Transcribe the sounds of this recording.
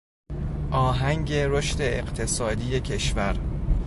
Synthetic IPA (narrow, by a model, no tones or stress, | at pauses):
ʔɒːɦæŋɟe̞ɾo̞ʃt̪e̞ːqt̪ʰe̞sɒːd̪iːje̞cʰe̞ʃvæɾ